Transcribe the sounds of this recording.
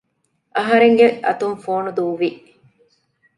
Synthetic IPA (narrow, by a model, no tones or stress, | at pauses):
ʔɐɦɐɾeŋɡeɐt̪umfoːnud̪uːʋiʔ